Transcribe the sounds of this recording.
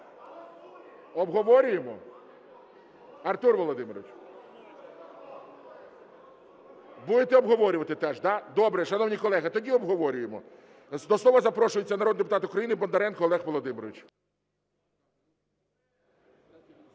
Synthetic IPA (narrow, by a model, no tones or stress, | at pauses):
ɔbɦɔʋɔɾʲʊjemɔ | ɐrt̪urʋɔlˠɔd̪ɪmeɾɔ̰ʋʲɪt͡ʃ | bud̪et̪ɛɔbɦɔʋɔɾʲʊʋɐt̪ɪt̪ɛʒd̪ɑd̪ɔbɾɛʃɐnɔwnʲikɔlˠɛɦɐt̪ɔdʲiɔbɦɔʋɔɾʲʊjemɔ | d̪ɔsɔʋɐzɐpɾɔʃʊjet͡sʲːɐnɐɾɔd̪d̪epʊt̪ɑt̪ʊkɾɐjinɪbɔnd̪ɐɾɛnkɔːlˠɛxʋɔlˠɔd̪ɪmeɾɔʋʲit͡ʃ